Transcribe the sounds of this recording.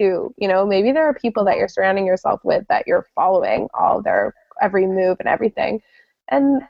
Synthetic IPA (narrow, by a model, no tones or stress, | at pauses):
ʉjɨñoʊmeɪbiðə˞ːpʰipl̩ˠðɨt͡ʃə˞sə˞ãʊ̃ndɪ̃ŋjə˞sɛ̰lˠfwɪðɨ̰t͡ʃə˞fɑlˠoʊɪ̰̃ŋɔ̰lˠðə̰˞ɛvɹimʉvɨ̃nɛ̰vɹiθɪ̰̃ŋ | ʔɨ̃n